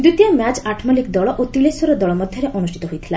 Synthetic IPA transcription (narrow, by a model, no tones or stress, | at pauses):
d̪ut̪iɔmat͡ɕaʈʰmɔlikd̪ɔɭɔʔot̪ilesɔɾɔd̪ɔɭɔmɔd̪ʱjɔɾeʔɔnusʈʰit̪ɔɦojt̪ʰi̥la